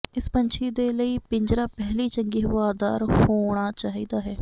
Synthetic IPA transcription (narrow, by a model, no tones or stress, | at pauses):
ɪspəɲt͡ʃʰiːd̪eːləiːpɪɲd͡ʒɾaːpɛɦliːt͡ʃəŋɡiːɦʊʋaːd̪aːɾhoːɽ̃aːt͡ʃaːɦiːd̪aːɦɛː